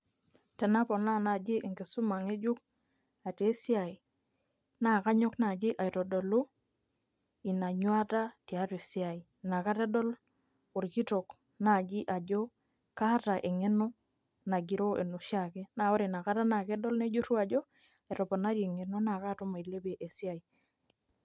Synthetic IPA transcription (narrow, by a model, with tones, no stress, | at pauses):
tɛ˨na˦pɔ˨na˦na˨d͡ʒɪ˦ʔɪ˨ŋɡe˨su˦ma˨ŋe˦d͡ʒu˦k̚ | a˨te˨˦si˦a˨i˨ | na˨ka˦ɲɔ˦kna˨d͡ʒɪ˦ʔa˨jtɔ˨dɔ˨lo˦ | i˨na˨ɲwa˦ta˦ti˨a˦te˨si˦a˨i˨ | na˨ka˦te˦dɔ˦l | ʊ˨ɾki˦tɔ˨k | na˨d͡ʒi˦ʔa˨d͡ʒɔ˦ | ka˦ta˨ʔe˨ŋe˦nɔ˦ | na˨ɡi˨ɾo˦ḛ˨no˨ʃa˨ke˦na˨ɔ˦ɾe˨na˨ka˦ta˦na˨kɛ˦dɔ˦lne˦d͡ʒu˦tu˦a˨d͡ʒɔ˦ | ɛ˨ɾɔ˨pɔ˨na˦ɾje˨ŋe˨no˦na˨ka˦to˦ma˨i˨le˦be˨ʔe˨si˦a˨i˨